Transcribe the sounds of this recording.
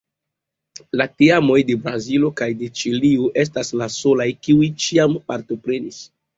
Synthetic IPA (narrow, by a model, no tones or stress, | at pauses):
lateamo̞jde̞bɾazilo̞kajde̞t͡ʃilioʔe̞s̬taslaso̞lajkiujt͡ʃiampaɾto̞pɾe̞nis